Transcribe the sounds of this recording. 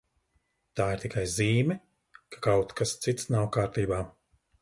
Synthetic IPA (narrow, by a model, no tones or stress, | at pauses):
t̪aːiɾt̪ʲikajziːmʲɛ | kʰḁkawt̪kast̪sit̪snawkaːɾt̪iːbaː